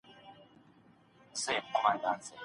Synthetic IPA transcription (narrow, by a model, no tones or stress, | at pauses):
sɛkɔmandaːnt͡sʰʼɛ